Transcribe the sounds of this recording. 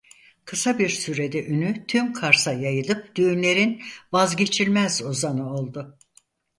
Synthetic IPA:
kʰɯsabiɾsyɾe̞d̪ɛʔynyt̪ʰymkʰaɾsajajɯlˠɯp̚d̪̥yjynlʲe̞ɾinvazɟe̞t͡ʃʰilʲmɛzozanɯo̞lˠd̪ʊ

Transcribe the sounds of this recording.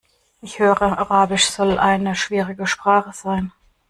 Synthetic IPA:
ʔɪçhøːʁəʔaʁaːbɪʃz̥ɔlʔaɪnəʃv̥iːʁɪɡəʃpʁ̥aːχəz̥aɪn

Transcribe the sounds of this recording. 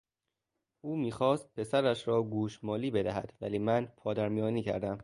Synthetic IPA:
ʔuːmiːxɒːst̪̚pʰe̞sæɾæʃɾɒːɡuːʃmɒːliːbe̞d̪æɦæ̰d̪̥væliːmænpʰɒːd̪æɾmijɒːniːcʰæ̰ɾd̪æm

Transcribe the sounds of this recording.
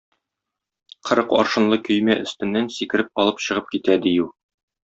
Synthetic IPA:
qʰɤ̆ɾɤqɒ̰ɾʃɤ̆nlˠɤkɵ̆jmæʔɵ̆st̪ɘ̆nːænsikɘ̆ɾɘp̚ɒlˠɤpɕɤ̆ʁɤp̚kit̪æd̪iju

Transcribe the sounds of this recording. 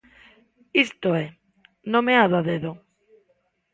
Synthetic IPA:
ist̪oɛ | nõmeaðaðeðo

